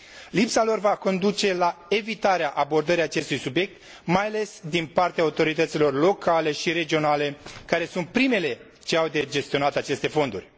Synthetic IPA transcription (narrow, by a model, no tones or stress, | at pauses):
lipsalo̞rvako̞nd̪ut͡ʃe̞lae̞vit̪aɾeaʔabo̞rd̪əɾiat͡ʃe̞st̪ujsubje̞k̚t̪̚ | majale̞sd̪inpart̪eaut̪o̞ɾit̪ət̪silo̞rlo̞kale̞ʃiɾe̞d͡ʒio̞nale̞kaɾe̞sunt̪̚pɾime̞le̞ | t͡ʃe̞awd̪ed͡ʒe̞st̪io̞nat̪at͡ʃe̞st̪e̞fo̞nd̪urʲ